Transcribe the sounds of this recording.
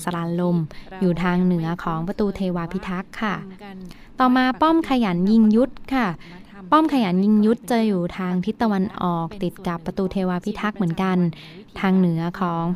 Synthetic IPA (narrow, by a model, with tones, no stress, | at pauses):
sa˧laː˨˩nlo˧mjuː˨˩t̪ʰaː˧ŋnɯ˩˦ɐkʰɔː˩˦ŋpɾa˧t̪uː˧t̪ʰeː˧waː˧pʰi˦˥t̪ʰa˦˥kʰːa˥˩ | t̪ɔː˨˩maː˧pɔ˥˩mkʰa˧ja˩˦nji˧ŋju˦˥t̪̚kʰa˥˩ | pɔ˥˩mkʰa˧ja˨˩˦nji˧ŋju˦˥t̪̚t͡ɕa˨˧juː˨˩t̪ʰaː˧ŋt̪ʰi˦˥t̪ːa˧wa˧nʔɔː˨˩k̚t̪i˨˩t̪̚ka˨˩pːɾa˧t̪uː˧t̪ʰeː˧waː˧pʰi˦˥t̪ʰa˦˥k̚mɯ˩˦ənka˧n | t̪ʰaː˧ŋnɯ˨˩˦ɐkʰɔː˩˦ŋ